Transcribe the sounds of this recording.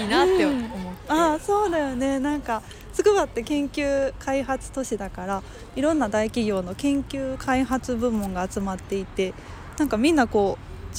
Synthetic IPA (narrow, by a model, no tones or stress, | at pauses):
inat̪ːemaso̞ːd̪ajo̞ne̞nãŋka | sɨkɯ̟βat̪ːe̞kẽ̞ŋkʲɨːkʰaiɦat͡sɨ̥t̪o̞ɕid̪akaɾa | iɾõ̞nːad̪aikʲiɡʲo̞ːno̞kẽ̞ŋkʲɨːkʰaiɦat͡sɨbɯ̟̃mːõ̞ŋɡaːt͡sɨmat̪ːe̞it̪e̞ | nãŋkamʲĩnːako̞ː